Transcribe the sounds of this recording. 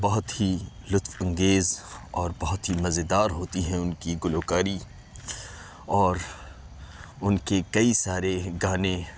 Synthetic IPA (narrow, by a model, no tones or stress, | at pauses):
bɐɦʊt̪ɦi | lʊt̪fɐ̃ŋɡeːzɔːɾbɐɦʊt̪ɦimɐzed̪aːɾɦoːt̪iɦɛ̃ʊnkiɡʊloːkaːɾi | ɔːɾ | ʊnkekɐisaːɾeɡaːne